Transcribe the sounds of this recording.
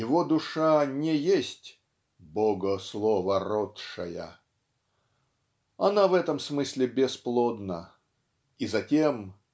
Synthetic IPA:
jɪvod̪ʊʂanʲɪjesʲtʲ | boɡəslˠovərot̪ʂə̰jə̰ | ɐnavɛt̪əmsmɨsʲlʲɪbʲɪsplˠod̪nə | izɐtʲem

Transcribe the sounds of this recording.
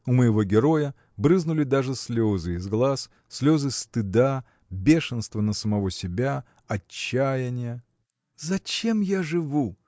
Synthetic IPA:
ʊməjɪvo̞ɡʲɪɾo̞jə | bɾɨznʊlʲɪd̪aʐɨsʲlʲozɨɪzɡlˠasːʲ | lʲo̞zɨst̪ɨd̪a | bʲe̞ʂɨnst̪vənəsəmɐvo̞sʲɪbʲa | ɐt͡ɕːæjɪnʲɪjə | zɐt͡ɕe̞mjaʐɨvu

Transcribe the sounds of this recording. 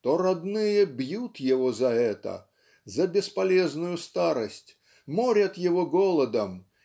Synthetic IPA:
t̪ɔɾad̪nɨjɐbjut̪jɛvɔzɐɛt̪ɐ̰ | zɐbʲɛspalʲɛznʊjʊst̪aɾɐsʲt͡sʲ | mɔɾʲɐt̪jɛvɔɡɔlˠɐd̪ɐm

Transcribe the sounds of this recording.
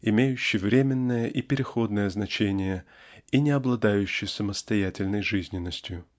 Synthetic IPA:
ɪmʲejʉɕːɪjvɾʲemʲɪnːəjəʔipʲɪɾʲɪxo̞d̪nəjəznɐt͡ɕenʲɪjəinʲɪɐblˠɐd̪ajʉɕːɪjsəməst̪ɐjætʲɪlʲnəjʐɨzʲnʲɪnːəsʲtʲjʊ

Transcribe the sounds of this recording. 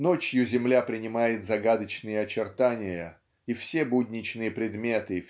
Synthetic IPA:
no̞t͡ɕjʊzʲɪmlʲapɾʲɪnʲɪmajɪt̪zɐɡad̪ət͡ɕnɨjəɐt͡ɕɪrt̪anʲɪjə | ifsʲe̞budʲnʲɪt͡ɕnɨjəpɾʲɪd̪mʲe̞t̪ɨ

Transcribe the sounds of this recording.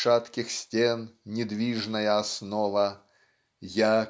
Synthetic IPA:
ʂat̪kʲɪxsʲtʲennʲɪd̪vʲiʐnəjəɐsnɔvə | ja

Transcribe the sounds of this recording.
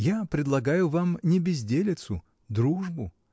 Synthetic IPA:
japɾʲɪd̪lˠɐɡajʊvamnʲɪbʲɪzʲdʲelʲɪt̪sʊ | d̪ɾuʐbʊ

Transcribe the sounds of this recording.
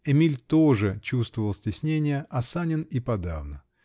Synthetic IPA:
ɛmʲilʲt̪oʐɨt͡ɕust̪vəvəlˠsʲtʲɪsʲnʲenʲɪjəʔɐsanʲɪnipɐd̪avnə

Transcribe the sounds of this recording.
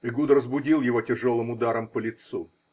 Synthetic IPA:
iɡud̪ɾəzbʊdʲilˠjɪvotʲɪʐolˠɨmʊd̪aɾəmpəlʲɪt̪su

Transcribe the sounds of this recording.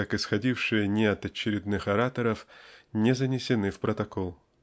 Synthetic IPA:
akɨsxɐdʲifʂɨjənʲɪɐt̪ɐt͡ɕːɪɾʲɪd̪nɨxɐɾat̪əɾəfnʲɪzənʲɪsʲɪnɨfpɾət̪ɐkolˠ

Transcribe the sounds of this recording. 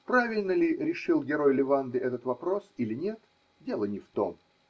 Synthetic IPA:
pɾavʲɪlʲnəlʲɪɾʲɪʂɨlˠɡʲɪɾo̞jlʲɪvand̪ɨʔɛt̪ət̪vɐpɾo̞silʲɪnʲet̪ | dʲe̞lˠənʲɪft̪o̞̰m

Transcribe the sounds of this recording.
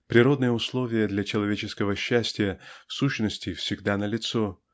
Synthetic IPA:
pɾʲɪɾo̞d̪nɨjəʊslˠo̞vʲɪjəd̪lʲat͡ɕɪlˠɐvʲet͡ɕɪskəvəɕːæsʲtʲɪjəfsuɕnəsʲtʲɪfsʲɪɡd̪anəlʲɪt̪so

